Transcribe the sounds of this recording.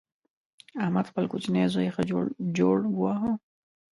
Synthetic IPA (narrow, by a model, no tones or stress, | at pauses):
ahmad̪xpəlkot͡ʃnezojexad͡ʒoɽɡwaɦo